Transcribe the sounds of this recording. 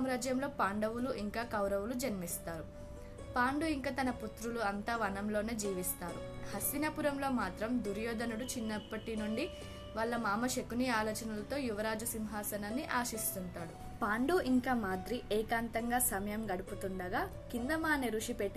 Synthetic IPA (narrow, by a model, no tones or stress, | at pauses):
mɾaːd͡ʒjɐmlo̞ːpaːɳɖɐʋuluʔiŋkaːkɐwɾɐʋulud͡ʒɐnmist̪aːɾu | paːɳɖuiŋkaːt̪ɐnɐput̪ɾuluɐnt̪aːʋɐnɐmlo̞ːneːd͡ʒiːʋist̪aːɾṵhɐsʋinɐpuɾɐmlo̞ːmaːt̪ɾɐmd̪uɾjɔːd̪ɐnuɽut͡ʃinːɐpːɐʈinuɳɖi | ʋaɭːɐmaːmɐʃekuniaːloːt͡ʃɐnɐlɐt̪o̞ːjuʋɐɾaːd͡ʒusimɦaːsɐnɐnːiʔaːʃist̪unʈ̪aːɽu | paːɳɖuʔiŋkaːmaːd̪ɾiʔɛːkaːnt̪ɐŋɡaːsɐmɐjɐmɡɐɽuput̪uɳɖɐɡaː | kind̪ɐmaːneɾuʂipeʈːi